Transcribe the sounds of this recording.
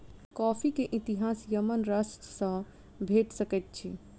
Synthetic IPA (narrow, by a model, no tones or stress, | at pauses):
kɔpʰikeʔit̪iɦasjəmənɾəsʈsə̃ | bʱeʈsəkɛt̪̚t͡ʃʰi